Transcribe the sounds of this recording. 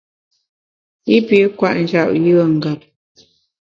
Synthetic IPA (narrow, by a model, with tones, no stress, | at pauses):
i˦pi˨˦kwa˦˨ʔn̩˨d͡ʒa˦˨p̚jə˦˨ŋ̩˨ɡa˨p̚